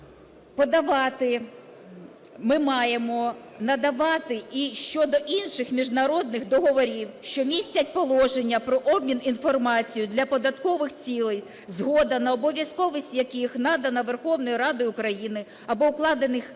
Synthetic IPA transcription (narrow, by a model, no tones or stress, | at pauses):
pɔd̪ɐʋɑt̪ɪ | mɪmɑjemɔ | nɐd̪ɐʋɑt̪ɪiʃt͡ʃɔd̪ɔʔinʃɪxmʲiʒnɐɾɔd̪̚nɪxd̪ɔɦɔʋɔɾʲiwʃt͡ʃɔmʲisʲtʲɐtʲpɔlˠɔʒenʲːɐpɾɔʔɔb̚mʲininfɔrmɑt͡sʲijʊd̪lʲɐpɔd̪ɐt̪kɔʋɪxt͡sʲilˠɛj | zɦɔd̪ɐnɐɔbɔʋʲjɐskɔʋɪsʲtʲjɐkɪxnɑd̪ɐnɐʋerxɔwnɔjiɾɑd̪ɪʊkɾɐjinɪ | ɐbɔʊklˠɑd̪enɪx